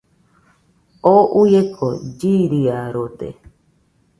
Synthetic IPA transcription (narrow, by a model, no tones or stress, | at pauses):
oʔujekʰo̰d͡ʒiɾiaɾot̪ḛ